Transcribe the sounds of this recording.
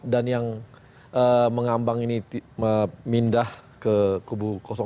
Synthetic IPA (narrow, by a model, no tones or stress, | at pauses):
danjaŋ | ʔəməŋambaŋiniəmindahkəkubukosɔ